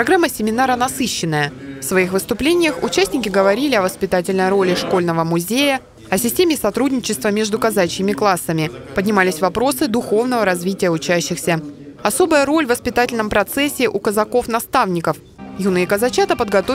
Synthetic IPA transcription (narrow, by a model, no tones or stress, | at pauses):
pɾɐɡɾamːəsʲɪmʲɪnaɾənɐsɨɕːɪnːəjəfsvɐixvɨst̪ʊplʲenʲɪjəxʊ̰t͡ɕæsʲnʲɪkʲɪɡəvɐɾʲilʲɪɐvəspʲɪt̪atʲɪlʲnəjɾo̞lʲɪʂko̞lʲnəvəmʊzʲejə | ɐsʲɪsʲtʲemʲɪsɐt̪ɾudʲnʲɪt͡ɕɪst̪vəmʲeʐd̪ʊkɐzat͡ɕɪmʲɪklˠasːəmʲɪpədʲnʲɪmalʲɪsʲvɐpɾo̞sɨd̪ʊxo̞vn̪əvəɾɐzvʲitʲɪjəʊt͡ɕæɕːɪxsʲəɐso̞bəjəɾo̞lʲvəspʲɪt̪atʲɪlʲnəmpɾɐt̪sɛsʲːɪʔʊkəzɐko̞fnɐst̪avnʲɪkəf | junɨɪkəzɐt͡ɕat̪əpəd̪ɡɐt̪o